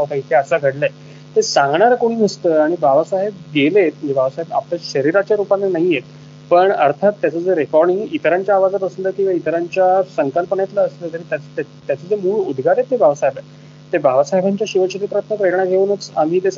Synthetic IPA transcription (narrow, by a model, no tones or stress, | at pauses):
ɦt̪ait̪ʰeəsəɡʱəɽlə | t̪esãŋɡɳaɾkoɽ̃iːnəst̪əːaɽ̃ibʱaʋasaɦebɡelet̪̚d͡ʑebʱaʋsaɦeba̰plaɕəɾiɾat͡ɕjaɾupanːenaɦijet̪̚ | pəɳəɾt̪ʰat̪ːjat͡səd͡zeɾekɔɾɽiŋɡit̪ɾãɲt͡ɕjaːʋad͡zapəsənd̪əkĩw̃ʋait̪əɾaɲt͡ɕjasəŋkəlpəɳet̪laəst̪əːt̪əɾit̪at̪ | t̪jat͡səd͡zemuːɭud̪ʱɡaɾet̪ɦebʱaʋsaɦebə | t̪ebʱaʋsaɦebʱaɲt͡ɕjaɕiʋəɕet̪ipɾat̪nəkɾeɾɳaɡʱeuːnət͡sam̤iːt̪es